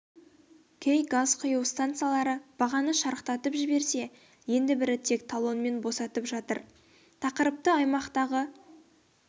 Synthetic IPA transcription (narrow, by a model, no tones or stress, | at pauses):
kʲʰejɡazqʰʊjəwst̪ant̪sɨjalˠɑɾəb̥ɑʁɑnəʃɑɾəqt̪ɑt̪əpʒɪbe̞ɾse̞ | je̞nd̪ɪbɪɾɪt̪ʰe̞k̚t̪ʰalˠo̞nme̞nbo̞sɑt̪əpʒɑt̪əɾ | t̪ʰɑqəɾəp̚t̪əɑjmɑqt̪ɑʁə